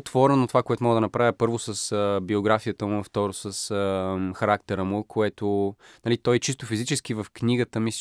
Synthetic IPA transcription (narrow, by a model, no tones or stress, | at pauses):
t̪vɔɾɛnot̪ovakoɛt̪omɔɡəd̪ənɐpɾavʲjəpɤɾvosəsəbioɡɾafijət̪əmʊnɐft̪ɔɾosəsəxɐɾak̚t̪ɛɾəmʊkʰoɛt̪o | nɐlit̪ɔjt͡ʃist̪ofizit͡ʃɛsk̟ivəfkniɡət̪əmis